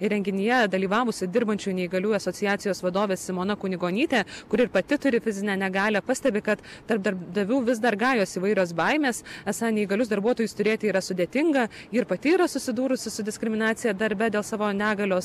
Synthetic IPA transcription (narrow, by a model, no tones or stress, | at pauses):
ɪɾʲɛŋʲɡʲɪnʲɪjɛd̪ɐlʲiːʋɑːʋʊsʲɪd̪ʲɪɾbɐnʲt͡ʃʲujnʲɛɪiɡɐlʲuːjɐsoːtsʲɪjæːt̪sʲɪjoːsʋɐd̪oːʋʲeːssʲɪmoːnɐkʊnʲɪɡoːnʲiːt̪ʲeːkʊɾʲɪɾpɐt̪ʲɪt̪ʊɾʲɪfʲɪzʲɪnʲɛnʲɛɡɑːlʲɛːpɐsʲt̪ʲɛbʲɪkɐt̪t̪ɐrp̚d̪ɐɾd̪ɐʋʲuːʋʲɪzd̪ɐɾɡɑːjoːsiːʋɐɪɾʲoːs̬bɐɪmʲeːsæsɐnʲɛɪɡɐlʲʊsd̪ɐɾbuɔt̪oːjʊst̪ʊɾʲeːt̪ʲɪiːɾɐsʊd̪ʲeːt̪ʲɪŋɡɐiɾpɐt̪ʲɪiːɾɐsʊsʲɪd̪uːɾʊsʲɪsʊd̪ʲɪsʲkɾʲɪmʲɪnɑːt̪sʲɪjɛːd̪ɐɾʲbʲɛd̪ʲeːlˠsɑːʋoːnʲæːɡɐlʲoːs